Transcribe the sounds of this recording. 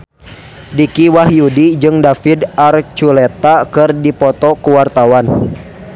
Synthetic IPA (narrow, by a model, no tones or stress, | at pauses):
dikiwahjudid͡ʒɨŋdafidart͡ʃulɛt̪akɨrdipɔt̪ɔkəwart̪awan